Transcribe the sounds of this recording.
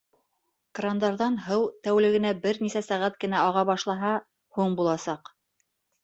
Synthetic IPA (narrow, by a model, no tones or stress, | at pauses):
krand̪ɑɾðɑnɦɤwt̪æwlɘ̆ɡɘ̆næbɘɾnisæsæʁæt̪̚kɘ̆næɑʁɑβɑʃlˠɑɦɑ | huɴbulˠɑsɑq